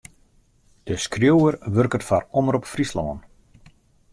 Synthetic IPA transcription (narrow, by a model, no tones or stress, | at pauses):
d̥əskrjowərʋørkətfarɔməɾɔpfrislɔ̰ːən